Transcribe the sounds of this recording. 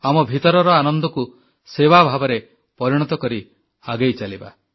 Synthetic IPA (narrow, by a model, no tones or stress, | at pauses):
amɔbʱit̪ɔɾɔɾɔanɔnd̪ɔku | sewabʱabɔɾe | pɔɾiɽ̃ɔt̪ɔkɔɾi | aɡejt͡ʃaliba̰